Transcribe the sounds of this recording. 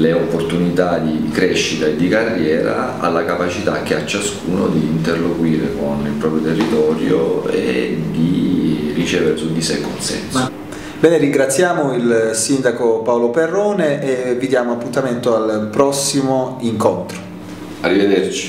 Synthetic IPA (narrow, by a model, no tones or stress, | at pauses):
leopːort̪unit̪ad̪ikɾɛʃːit̪aed̪ːikarːjɛːɾa̰ | a̰lːakapat͡ʃit̪a̰k̟ːeat͡ʃːaskuːnod̪iːnt̪erlːoɡwiːɾekonilpɾɔpɾjot̪erːit̪ɔːɾjo̰ḛd̪irit͡ʃɛːveɾesud̪ːisɛkonsɛ̰ns | bɛːneɾiŋɡɾat̪sːjaːmoilsind̪akopaoloperːɔːneʔevid̪jaːmoapːunt̪ament̪oalpɾɔsːimoiŋkont̪ɾo̥ | arːived̪ert͡ʃi̥